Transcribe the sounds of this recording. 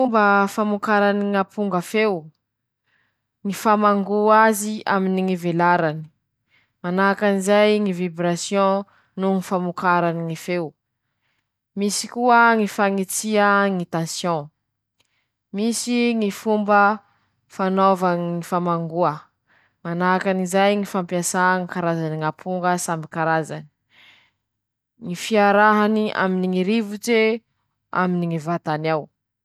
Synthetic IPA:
umbəfamukaɾaniŋapuŋɡafew | ŋifamaŋɡuazia̰miniŋivelaɾani̥ | manakanizajŋivibɾasjɔ̃ | nuŋifamukaɾaniŋifew | misi̥kuəŋifaŋit͡siəŋit̪ãsjɔ̃ | misiŋifumbə | fanovaŋifamaŋɡuə | manakanizajŋifãmpiasaŋikaɾazaniŋapʰuŋɡəsambikaɾazani̥ | ŋifiaɾaɦaniʔa̰miniŋiɾivut͡se | a̰miniŋivat̪anaw

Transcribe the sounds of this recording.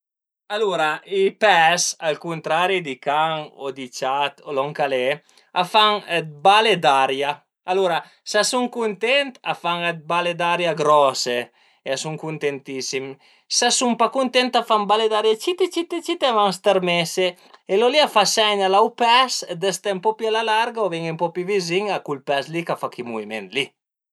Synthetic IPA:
aluɾaipɛsalkunt̪ɾaɾid̪ikaŋo̰d̪it͡ʃat̪olɔŋkale | afaŋ̚baled̪aɾja | aluɾa | sasuŋkunt̪ɛnt̪afaŋed̪̚baled̪aɾjaɡɾɔse | easuŋkunt̪ent̪isim | sasumpakunt̪ɛnt̪afaŋbaled̪aɾjat͡ʃit̪et͡ʃit̪et͡ʃit̪eavaŋst̪eɾmese | eloliafasɛɲalawpɛsd̪est̪empɔpialalaɾɡaovɛŋempɔpiviziŋakulpɛslikafakimuvimḛnt̪li

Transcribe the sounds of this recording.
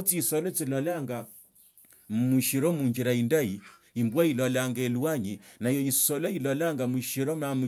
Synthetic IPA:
ot͡siːsɔlɔt͡silɔlaŋɡa | muʃiɾɔmuɲd͡ʒiɾaindai | imbwailɔlaŋɡeluaɲinajɔisɔlɔilɔlaŋɡamuʃiɾɔmamu

